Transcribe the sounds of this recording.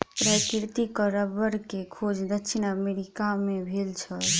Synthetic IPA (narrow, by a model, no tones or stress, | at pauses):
pɾəkɾt̪ikəɾəbəɾkekʰod͡ʒd̪əkːʃʰinəmeɾikamebʱelt͡ʃʰəl